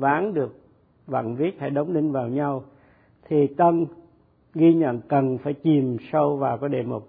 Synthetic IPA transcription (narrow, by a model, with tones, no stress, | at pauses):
vaː˨˦nɗɨ˨˩ək̚ | va̰ː˧˨nvi˦˥ət̚ha̰˧˩jɗə˨˦wŋ͡mlï˧ŋvaː˨˩wɲa˧w | t̪ʰi˨˩t̪ə˧n | ɣi˧ɲə̰˧˨nkə˨˩nfaː˧˩jt͡ɕi˨˩msa˧wvaː˨˩wkɔː˨˦ɗe˧˩mo˨˩t̚